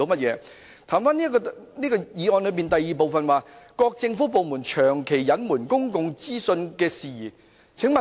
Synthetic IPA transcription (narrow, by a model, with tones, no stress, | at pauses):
o˨˥wmɐ˥t̚jɛː˨˧ | t̪ʰaː˨˩mfaː˥niː˥kɔː˧niː˥kɔː˧jiː˨˧ɔː˧nlɵ˨˧˥p̬iː˨˩nt̪ɐ˨jːiː˨˩p̬o˨˧wfɐ˨nwaː˨˧kɔː˧k̚t͡sɪ˧ŋfuː˨˥po˨wmuː˨˩nt͡ʃʰœː˨˩ŋkʰe˨˩jːɐ˨˥nmuː˨˩nkʊ˥ŋkʊ˨˧ŋt͡siː˥sɵ˧nkɛː˧siː˨˩ | t͡sʰɪ˨˥ŋmɐ˨